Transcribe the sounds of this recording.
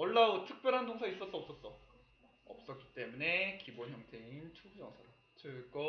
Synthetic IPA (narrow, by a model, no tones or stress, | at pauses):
ʌɭːautʰɯk̚p͈jʌɾɦandoŋsʰais͈ʌs͈ʌːp̚s͈ʌs͈ʌ | ʌp̚s͈ʌtk͈i̥t͈e̞mune̞kibonçjʌŋtʰe̞int͡ɕʰubud͡ʑʌŋsʰʌɾa | t͡ɕʰɯɭk͈o